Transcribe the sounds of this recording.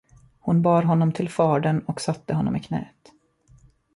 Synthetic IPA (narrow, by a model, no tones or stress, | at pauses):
hʊnbɑːɾɦɔnːɔmt̪ʰɪlfɑːɖəɳɔksat̪ːəɦɔnːɔ̰mɪkʰnɛ̰ːt̪